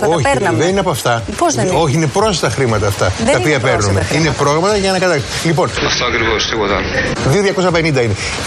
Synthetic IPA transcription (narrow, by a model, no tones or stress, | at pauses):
oçɾnɐðenineɐpoɐft̪ɐpozoçiinepɾo̞st̪ɐxɾimɐt̪ɐːft̪ɐt̪ɐpiɐpeɾnumeinepɾo̞ɣɾɐmɐt̪ɐʝɐːnɐkɐt̪ɐs | lipo̞nɐ̰ft̪oɐkɾivost̪iɣoðɐ̰nðioðjʝɐko̞sɐpe̞nind̪ɐine̞